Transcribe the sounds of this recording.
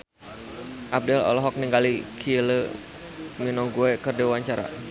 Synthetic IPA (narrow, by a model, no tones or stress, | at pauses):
ʔap̚dɛlɔ̰lɔɦɔk̚niŋɡalikʰilə | minɔŋɡuɛkərdiwaɲt͡ʃaɾa̰